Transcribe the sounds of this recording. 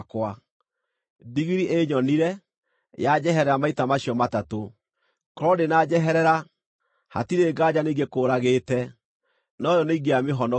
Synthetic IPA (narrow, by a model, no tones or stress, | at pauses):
kwa | diɣiɾiʔeɲɔniɾɛ | jad͡ʑɛɦɛɾɛɾamaitamaɕiɔmatato | kɔɾɔdenad͡ʑɛɦɛɾɛɾa | ha̰tiɾeːɡad͡ʑaneiɡekoːɾaɣetɛ | nɔjɔneiɡeameɦɔnɔ